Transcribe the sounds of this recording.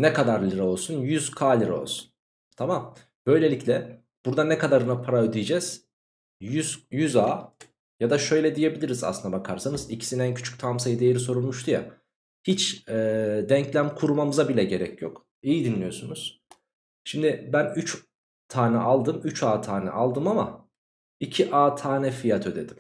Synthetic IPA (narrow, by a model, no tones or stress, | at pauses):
nɛkad̪aɾlʲiɾɛo̞lˠsunjyz̥kʰaːlʲiɾo̞̰lˠsu̥n | t̪ʰamam | b̥ø̞jlʲe̞lʲicʰlʲɛ | b̥uɾd̪anɛkʰad̪aɾɯnapʰaɾaød̪ijd͡ʒɛz̥ | jyzjyzaː | jad̪aʃø̞jlʲɛd̪ije̞bilʲiɾiza̰sɯnd̪abakʰaɾsanɯzicʰi̥sinæncʰyt͡ʃʰy̥c̚t̪ʰamsajid̪ejeɾiso̞ɾulˠmuʃt̪ʰuja̰ | hit͡ʃɛːd̪ɛɲclʲæmkʰuɾumamɯzabilʲɛɟe̞ɾɛcʰjok | ijid̪inlʲijo̞sunuz̥ | ʃimd̪ɪbænyt͡ʃ | t̪ʰaːnɛ̰ʔalˠd̪ɯmyt͡ʃʰaːt̪ʰaːnɛ̰ʔalˠd̪ɯmama | icʰiʔaːt̪ʰaːnɛfijat̪ʰød̪ed̪im